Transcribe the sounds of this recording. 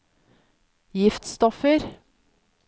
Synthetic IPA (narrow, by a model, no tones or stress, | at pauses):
jɪft̪st̪ɔfəɾ